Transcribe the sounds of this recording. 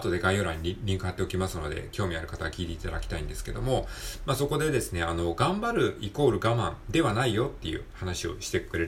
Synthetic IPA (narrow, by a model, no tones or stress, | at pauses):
t̪o̞d̪e̞ɡaijoːɾaɲ̟ːiɾʲĩŋkɯɦat̪ːe̞o̞kʲimasɨno̞d̪e̞̰kʲo̞ːmʲiaɾɯ̟kat̪aɡakʲiːt̪eit̪ad̪a̰kʲi̥t̪aĩnd̪e̞sɨ̥ke̞d̪o̞̰mo̞maso̞ko̞d̪e̞d̪e̞sɨne̞ano̞ɡãmbaɾɯ̟iko̞ːɾɯ̟ɡamãnd̪e̞βanaijo̞t̪ːe̞̰jɯ̟̰hanaɕio̞̰ɕi̥t̪e̞kɯ̟ɾe̞ɾ